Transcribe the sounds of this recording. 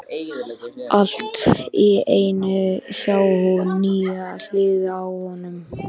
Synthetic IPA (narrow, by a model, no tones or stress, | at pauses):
al̥t̪ieːjnʏsjaːwhɔwnyːal̥ɪːðawhɔnʏm